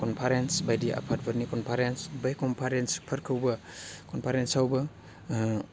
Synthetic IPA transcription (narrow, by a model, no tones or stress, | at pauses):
kɔnpʰaɾensbajdiʔa̰pʰat̚bɐɾnikɔnpʰaɾensbajkɔmpʰaɾenspʰɐɾkʰɐwbɐkɔnpʰaɾensawbɐ